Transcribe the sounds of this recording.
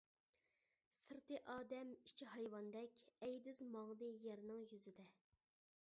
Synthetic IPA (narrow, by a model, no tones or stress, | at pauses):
sɨɾt̪ɨʔɑːd̪ɛmi̥t͡ʃʰiɦɑjwɑnd̪ɛkʲɛjd̪ɪzmɑŋd̪ɨjɛɾnɨŋjyzɪd̪ɛ